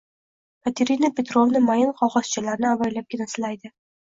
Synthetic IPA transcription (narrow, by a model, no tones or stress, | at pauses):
mat̪ʰeɾinapʲet̪ɾovnɪmajɪnqʰɒʁɒst͡ʃʰɪlaɾnɪavajlap̚kʲɪnasɪlajd̪ɪ